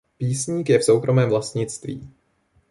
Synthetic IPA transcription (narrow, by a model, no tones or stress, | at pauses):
piːsɲiːkjɛfsowkɾʔo̞mɛːmvlast̪ɲɪt͡st̪vḭː